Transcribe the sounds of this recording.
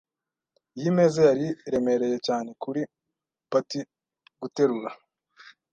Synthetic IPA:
jime̞ːzejaɾiɾe̞me̞ɾe̞je̞caːne̞kuɾi | pati | ɡute̞ɾuɾa

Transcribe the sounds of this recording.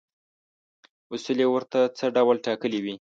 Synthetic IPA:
usulewəɾt̪at͡səɖawlʈɑkəliwi

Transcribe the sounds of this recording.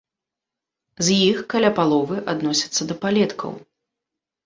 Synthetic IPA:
zʲjixkalʲapalˠɔvɨʔad̪nɔsʲɐ̥t̪sːɐd̪ɐpalʲɛt̪kʰɐ̰w

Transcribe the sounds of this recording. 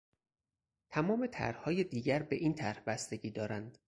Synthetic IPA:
t̪ʰæmɒːme̞t̪ʰæ̰ɾhhɒːjed̪iːɟæɾbe̞ʔiːnt̪ʰæɾhbæst̪eɟiːd̪ɒːɾænd̪̥

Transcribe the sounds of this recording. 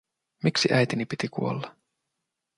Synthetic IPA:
miksiʔæjt̪inipit̪ikṵo̞̰lːɑ

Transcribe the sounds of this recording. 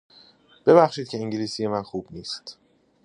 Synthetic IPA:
b̥e̞bæxʃiːd̪̥̚cʰe̞iŋɟiliːsije̞mænxuːbniːst̪

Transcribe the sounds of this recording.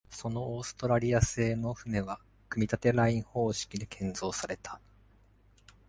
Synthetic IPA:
so̞no̞oːsɨ̥t̪o̞ɾaɾʲiase̞ːno̞ɸɯ̟me̞βa | kɯ̟mʲit̪at̪e̞ɾaĩɰ̃ho̞ːɕi̥kʲid̪e̞kʰẽ̞nzo̞ːsaɾe̞t̪ʰḁ

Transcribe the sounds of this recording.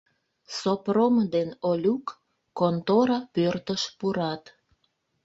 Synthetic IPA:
sopromd̪enolʲukː | ont̪oɾɑpørt̪əʃpuɾɑt̪

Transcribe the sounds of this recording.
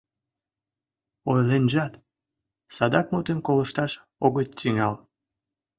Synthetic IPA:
ojlenʒɑt̪ | sɑd̪ɑk̚mut̪enkoləʃt̪ɑʃ | oɣətt̪iŋɑl

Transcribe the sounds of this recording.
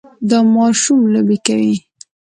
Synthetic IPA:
d̪əmɑʃumlobikawi

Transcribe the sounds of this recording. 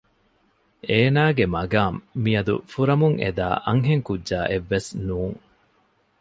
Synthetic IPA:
eːnaːɡemɐɡaːmːiɐd̪ṵfuɾɐmuŋʔḛd̪a̰ːʔɐŋɦeŋkudʒaːʔeʋːesnuːŋ

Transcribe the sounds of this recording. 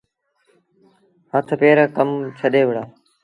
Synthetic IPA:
hət̪ʰpeːɾəkəmt͡ʃʰəɗeːʋɪɽaː

